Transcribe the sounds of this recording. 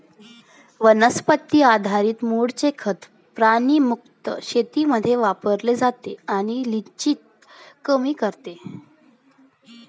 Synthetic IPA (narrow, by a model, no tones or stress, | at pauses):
ʋənəspət̪ːiːad̪ʱaɾiːt̪muɽt͡sekʰət̪ | pɾaɽ̃iːmuk̚t̪ə̰ɕet̪iməd̪ʱːjeʋapəɾled͡zat̪eaɽ̃ilit͡ɕiːt̪̚ | kəmiːkəɾt̪e